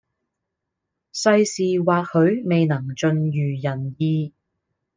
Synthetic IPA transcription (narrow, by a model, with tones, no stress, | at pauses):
sɐ˧jsiː˨waː˨k̚hɵ˨˧ɥme˨jnɐ˨˩ŋt͡ʃɵ˨˧njyː˨˩jɐ˨˩njiː˧